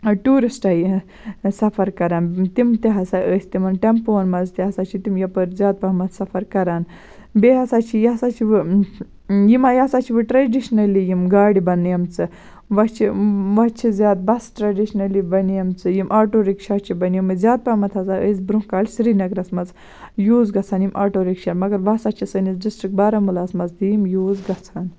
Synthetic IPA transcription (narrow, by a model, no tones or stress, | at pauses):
ʈuːɾisʈɐi | sɐfʰɐɾkɐɾant̪imt̪iɦɐsaʔəːjsʲt̪imɐnʈemponmɐd͡zt̪ɛɦɐsat͡ʃʰit̪imjɐpɐɾzʲaːt̪̚pɐmɐt̪sɐfɐɾkɐɾaːn | beɦɐsat͡ʃʰijɐsat͡ʃʰiʋɨ | jimajasat͡ʃʰiʋɨʈɾɐɖiʃnɐlijimɡaːɽibɐnːjɐmt͡sɨ | ʋɐt͡ʃʰiʋɐt͡ʃʰizʲjaːd̪̚bɐsʈɾɐɖiʃnɐlibɐnijɐmt͡sɨjimʔaːʈoːɾikt͡ʃʰaːt͡ʃʰibɐnjimɨzʲjaːt̪̚pɐmɐt̪ʰɐzaʔəzbɾukaːlsɾinɐɡɾɐsmɐz | juːzɡɐt͡sʰaːnjimʔaːʈoːɾikʃaːmɐɡɐɾʋasat͡ʃʰisɐnizɖisʈɾik̚baːɾɐmulaːsmɐzimjuːzɡɐt͡sʰaːn